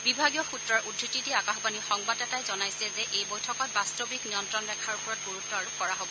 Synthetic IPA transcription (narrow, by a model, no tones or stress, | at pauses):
bibʱaɡijɔxutɹɔɹʔudʱːititiakaxbanixɔŋbadɛtajzɔnajsɛzɛʔejbojtʰɔkɔt̚bastobikniɔntɹɔnɹɛkʰaɹupɔɹɔt̚ɡoɹutːɔɹukɔɹaɦobɔ